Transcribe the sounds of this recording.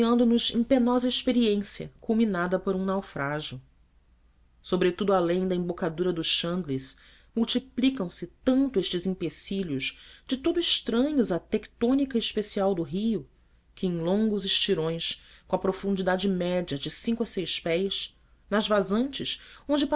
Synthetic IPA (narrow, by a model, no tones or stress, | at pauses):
iɐ̃nd̪ʊnʊzḛ̃penɔzɐeʃpeɾiẽsiɐ̰kulminad̪ɐpoɾũnawfɾaʒiʊ | sobɾet̪ud̪ʊalẽj̃d̪ɐẽbokad̪uɾɐd̪ʊʃʃɐ̃nd̪lis | muwt͡ʃiplikɐ̃w̃sɪt̪ɐ̃nt̪ʊeʃt͡ʃɪzĩpesiʎjʊzd͡ʒɪt̪ud̪ʊɪʃt̪ɾɐ̃ɲʊzɐt̪ekt̪õnikɐɪʃpesiawd̪ʊɦiʊ | kʰɪẽj̃lõŋɡʊzɪʃt͡ʃiɾõj̃skõɐpɾofũnd͡ʒid̪ad͡ʒɪmɛd͡ʒɐd͡ʒɪsĩŋkʊɐsejʃpɛjʃ | nɐzvazɐ̃nt͡ʃɪʃõnd͡ʒɪp